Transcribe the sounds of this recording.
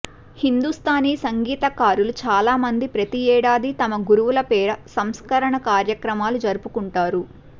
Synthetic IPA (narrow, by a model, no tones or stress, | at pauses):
hind̪ust̪ʰaːniːsɐŋɡiːt̪ɐkaːɾulut͡ʃaːlaːmɐnd̪ipɾɐt̪iɛːɽaːd̪it̪ɐmɐɡuɾuʋulɐpɛːɾɐsɐmskɐɾɐɳɐkaːɾjɐkɾɐmaːlud͡ʒɐɾupukuɳʈaːɾu